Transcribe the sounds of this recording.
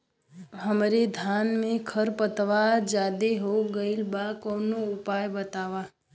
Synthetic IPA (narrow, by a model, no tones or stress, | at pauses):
ɦəmɾed̪ʱanmẽkʰəɾpət̪ʋad͡ʒaːd̪eɦoɡəilbakonoʊpajbət̪aːʋa